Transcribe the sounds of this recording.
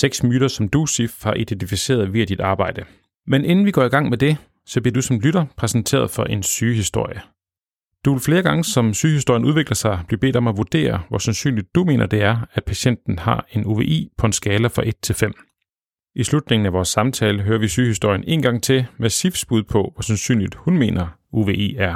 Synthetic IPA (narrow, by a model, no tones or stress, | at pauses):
seɡ̥smyːɾ̥ɐsɒ̽md̥usifhɑ̈ʔid̥ent͡sʰifise̝̰ːɐðˠʋiæd̥id̥ɑ̈ːb̥ɑ̈ɪ̰d̥ə | menʔe̝nn̩ʋiɡ̥ɒ̰ːiɡ̥ɑ̈ŋ̰med̥e̝ | sɒbliɐd̥usɒ̽mlyɾɐpʰʁɛsn̩t͡sʰe̝̰ːɐð̞ˠfɒ̽ʔe̝nsyːɦisd̥o̝ɐ̰jə | d̥uʋe̝lfle̝ːɐɡ̥ɑ̈ŋəsɒ̽msyːhisd̥o̝ɐ̰jənuð̞ˠʋe̝ɡ̥lɐsɑ̈ɪb̥libe̝̰ːd̥ɒ̽mæʋud̥e̝̰ːɐʋɒsænsy̰ːnlid̥̚ːume̝̰ːnɐd̥e̝æɐæ̥pʰæɕen̰d̥n̩hɑ̈e̝nuʋe̝̰ːʔḭːpʰɒ̽e̝nsɡ̥ɛːləfʁɑ̈ʔe̝d̥̚t͡sʰe̝lfem̰ | ʔislud̥ne̝ŋn̩æʋɒːsːɑ̈mt͡sʰɛːləɦøːɐʋisyːhisd̥oɐ̰jənʔe̝̰ːnɡ̥ɑ̈ŋ̰t͡sʰe̝mesifsb̥uð̞ˠpʰɒ̽ʋɒsænsy̰ːnlid̥hunme̝̰ːnɐuʋe̝ḛːæɐ